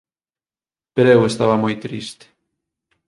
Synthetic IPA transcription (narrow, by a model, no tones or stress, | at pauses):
peɾewest̪aβɐmojt̪ɾist̪e̥